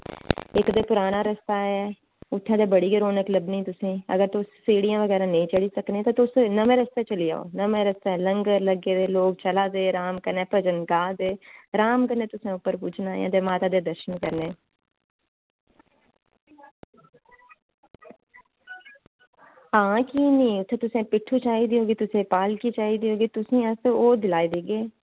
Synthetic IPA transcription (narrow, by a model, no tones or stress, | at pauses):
ɪkd̪eːpʊɾaːnaːɾəst̪aːɛː | ʊt̪ʰːãːd̪eːbəɽiːɡəɾoːnəkləbniːt̪ʊsĩːə̰ɡəɾt̪ʊsːeːɽijãːʋəɡɛːɾãːnəĩːt͡ʃəɽiːsəknẽːt̪ãːt̪ʊsnəmẽːɾəst̪eːt͡ʃəlija̰ːo̰ːnəmẽːɾəst̪aɛləŋɡəɾləɡeːd̪eːloːkt͡ʃəlaːd̪eːɾaːmkəɾnɛːpəd͡ʒənɡaːd̪eːɾaːmkəɾnẽːt̪ʊsẽːʊpːəɾpʊt͡ʃʰnaːjã̰ːd̪eːmaːt̪aːd̪eːd̪əɾʃənkəɾneː | ɦãːkiːnĩːʊt̪ʰːeːt̪ʊsẽːpɪʈʰːuːt͡ʃaːiːd̪iːɦoːɡiːt̪ʊsẽːpaːlkit͡ʃaːiːd̪iːoːɡiːt̪ʊsẽːasoːd̪ɪlaːid̪iːɡeː